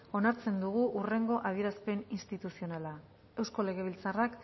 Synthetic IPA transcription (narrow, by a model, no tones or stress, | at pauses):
o̞naɾt͡se̞nd̪uɣ̞uʔure̞ŋɡo̞ʔað̞ie̞ɾaspe̞ninst̪it̪usio̞nala | e̞wsko̞le̞ɣ̞e̞β̞ilt͡sarak